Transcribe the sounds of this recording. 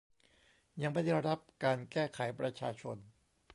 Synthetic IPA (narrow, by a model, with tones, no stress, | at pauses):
ja˧ŋma˥˩da˥˩ɾa˦˥p̚kaː˧nkɛː˥˩kʰa˩˦jpɾa˧t͡ɕʰaː˧t͡ɕʰo˧n